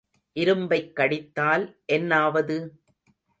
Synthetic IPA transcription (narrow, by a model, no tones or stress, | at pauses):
ʔɪɾɯmbɐɪkːɐɽɪt̪ːaːlʔɛnːaːʋɐðɯ